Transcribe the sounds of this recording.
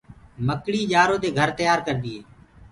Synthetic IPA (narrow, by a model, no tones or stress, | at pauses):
məkɽiːd͡ʒaːɾoːd̪eːɡʱəɾt̪əjaːɾkəɾd̪ɪeː